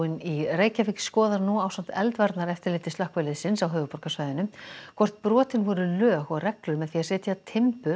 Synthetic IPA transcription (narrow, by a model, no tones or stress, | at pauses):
ɪnireːjcafɪkskɔːðaɾnuawsam̥t̪ɛlt̪vaɾt̪naɾɛft̪ɪɾleːt̪ɪst̪ahkvɛːlɪsɪnsawɦœːvʏpɔrkasvaːjðɪnʏmkʰvɔr̥t̪̚pɾɔːt̪ɪnvɔɾʏlœːɣɔɣrɛklʏmɛðθiaɾ̥sɛːt̪ɪat̪ʰɪmpʏ